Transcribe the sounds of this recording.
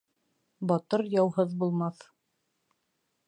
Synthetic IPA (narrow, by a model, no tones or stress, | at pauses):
bɒt̪ɤɾjɑwɦɤðbulˠmɑθ